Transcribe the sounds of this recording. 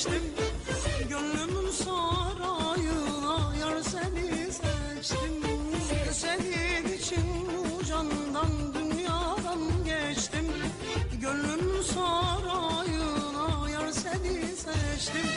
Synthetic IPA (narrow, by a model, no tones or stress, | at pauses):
t̪im | ɟølːymsaɾajɯnˠajaɾsɛlisɛ | t͡ʃt̪im | selid̪it͡ʃʰin | ud͡ʒand̪and̪ynjaːd̪anɟɛt͡ʃt̪im | ɟølːymsaɾajɯnˠajaɾselisɛt͡ʃt̪im